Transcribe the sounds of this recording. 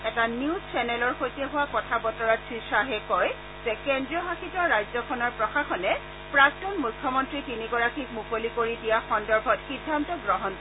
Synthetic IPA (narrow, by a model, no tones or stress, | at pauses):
ɛtaniuzt͡ʃɛnɛlɔɹxojtɛɦʊwakɔtʰabɔtɔɹatʰɹisaɦɛkɔj | zɛkendɹiɔɦaxitɔːajzɔkʰɔnɔɹpɹɔxaxɔnɛ | pɹak̚tɔnmujkʰːjɔmɔntɹitiniɡɔɹakʰik̚mukolikoɹidijaxɔndɔɹbʱɔtxidʱːantɔɡɹɔɦɔn